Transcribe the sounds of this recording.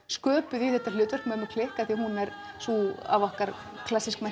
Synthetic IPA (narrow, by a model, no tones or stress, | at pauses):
skœːpʏðiθɛht̪ːal̥ʏːt̪vœ̥rkmɛðʏmakʰlɪhkaθiahunɛɾ | sua̰vɔhkaɾ | kʰlasːiskma